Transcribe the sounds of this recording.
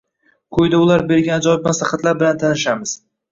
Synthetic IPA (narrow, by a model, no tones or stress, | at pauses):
kʰɵjd̪aʊlaɾbe̞ɾɡʲanɪd͡ʒɒɪbpmaslaχɑt̪laɾbɪlant̪ʰanɪʃamɪz̥